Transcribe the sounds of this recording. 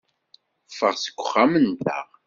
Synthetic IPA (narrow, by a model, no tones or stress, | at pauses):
fəʁsə̥ɡʷːʊχːamənt̪æ̰ʁ